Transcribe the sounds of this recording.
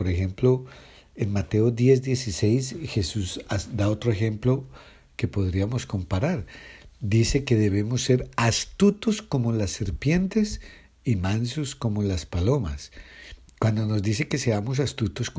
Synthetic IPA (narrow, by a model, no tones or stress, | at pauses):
poɾexe̞mplo̞ | enmat̪e̞od̪je̞zd̪je̞sise̞jsxe̞susad̪ao̞t̪ɾoexe̞mplo̞ | ke̞po̞ðɾiamo̞sko̞mpaɾaɾd̪ise̞ke̞ðe̞βe̞mosːe̞ɾast̪ut̪osko̞molasːe̞ɾpje̞nt̪e̞s | imãnsusko̞molaspalo̞mas | kwand̪o̞no̞zd̪is̬e̞ke̞se̞amo̞s̬ast̪ut̪osk